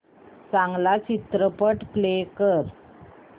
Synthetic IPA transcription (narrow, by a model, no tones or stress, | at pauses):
t͡sãŋɡlat͡ɕit̪ɾəpəʈplekəɾ